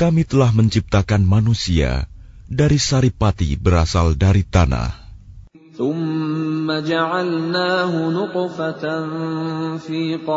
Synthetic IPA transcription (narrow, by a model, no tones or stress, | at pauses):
kamit̪əlahməɲt͡ʃip̚t̪akanmanusia̰ | daɾisaɾipat̪ḭbəɾasaldaɾit̪ana̰h | θʊmːad͡ʒaʕalnaːɦʊnʊqfat̪anfiːqɑ